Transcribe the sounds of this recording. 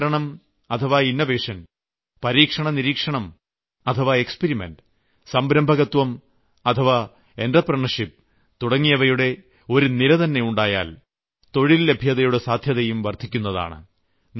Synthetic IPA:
ɾɐɳɐm | ɐt̪ʰɐʋaːinːɐʋeːʂɐn | pɐɾiːkʂɐɳɐniɾiːkʂɐɳɐm | ɐt̪ʰɐʋae̞kspeɾimḛnɖ | sɐmbɾɐmbʱɐɣɐt̪wɐm | ɐt̪ʰɐʋa | e̞ndrɐprɐɳɐʂip̚ | t̪uɽɐŋːijɐʋɐjuɽe̞ | o̞ɾuniɾɐðɐnːejuɳɖaːja̰ːl | t̪o̞ɻilːe̞bʱjɐðɐjuɽesaːd̪ʱjɐðɐjumʋɐrt̪ʰikʲːunːɐða̰ːɳɨ̰

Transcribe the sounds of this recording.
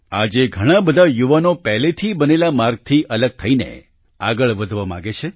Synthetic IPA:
ad͡ʒeɡʱəɽ̃ãbəd̪ʱajuʋanopɛɦlet̪ʰibənelamaɾɡ̚t̪ʰiʔələɡ̚t̪ʰəinḛ | a̰ɡəɭʋəd̪ʱʋamã̰ɡet͡ʃʰe

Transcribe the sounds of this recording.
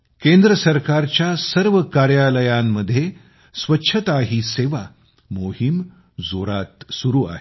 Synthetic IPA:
kẽnd̪ɾəsəɾkaɾt͡ɕjasəɾʋəkaɾjaləjamːəd̪ʱːje | sʋətːɕʰət̪aɦiːseʋa | moɦim | zoɾat̪suɾuːa̰ɦe

